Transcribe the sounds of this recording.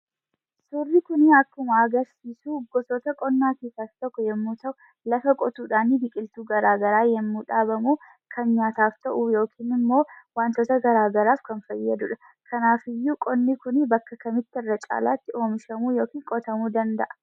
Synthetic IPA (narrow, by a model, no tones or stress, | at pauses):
sʊrːɪkʊnɪɐkːʊmɐɐɡɐɾsiːsuːɡɔsɔt̪ɐkʼɔnːaːkeːsaːft̪ɐkːʊjɛmːuːt̪ɐʔʊ | lɐfɐkʼɔt̪uːᶑaːnɪd̪ɪkʼɪlt̪uːɡɐɾaːɡɐɾaːjɛmːuːᶑaːbɐmuː | kʰɐnɲaːt̪aːft̪ɐʔujo̞ːkʰiːnɪmːo̞ːwaːnt̪ot̪ɐɡɐɾaːɡɐɾaːfkɐnfɐjːɐd̪ʊᶑɐ̥ | kʰɐnaːfɪjːuːkʼɔnːikʊnɪbɐkːɐkɐmɪt̪ːɪɪrːɐt͡ʃʼa̰ːla̰ːt̪ːɪʔo̞ːmɪʃɐmuːjo̞ːkiːŋkʼɔt̪ɐmuːd̪ɐnd̪ɐʔɐ̥